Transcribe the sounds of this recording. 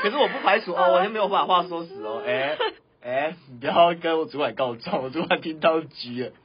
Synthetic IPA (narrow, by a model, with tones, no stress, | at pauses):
kʰʂ̬̩˥˩wɔ˨˩p̬u˥˩pʰa˧˥ɪsu˨˥ɔ˧wɔ˨˩ɕɛ˥nme˧˥jo˨˩wa˨˩˦xwa˥˩swɔ˥sɹ̩˨˦ɔ˨˦ʔɛ˧˦ | ʔɛ˧˦i˨˩pu˧˦jɑ˥˩kə˦nwɔ˨˩t͡su˨˥wa˨˩ɪkɑ˥˧ʊt͡sɑ˥˩ŋwɔ˨˩t͡su˨˦˥wa˨˩ɪt̪ʰi˦ŋt̪ɑ˥˧˩ʊt͡ɕi˨˦ɛ˨˩